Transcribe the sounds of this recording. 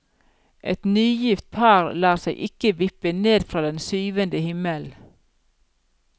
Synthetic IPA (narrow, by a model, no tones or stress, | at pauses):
ʔɛt̪nyːjɪft̪̚pʰɑːɾlɑːʁsæɪʔɪkəʋɪpəneːd̪fɾɑːd̪ɛnsyːʋənd̪əhɪməl